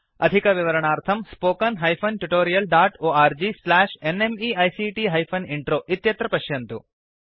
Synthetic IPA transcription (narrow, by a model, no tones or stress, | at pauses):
ɐ̰d̪ʱikɐʋiʋɐɾɐɳaːɾt̪ʰɐmspoːkɐnɦɐjpʰɐnʈuʈoːɾijɐlɖaːʈoːaːɾd͡ʒislaːʂenemiɐjsiʈiɦɐjpʰɐniɳʈɾoːʔit̪jɐt̪ɾɐpɐʃjɐnt̪u